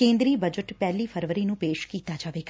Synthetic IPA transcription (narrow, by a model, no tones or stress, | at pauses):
ẽːnd̪ɾiːbəd͡ʒəʈpɛːliːpʰəɾʋəɾiːnũːpeːʃkiːt̪aːd͡ʒaːʋeːɡ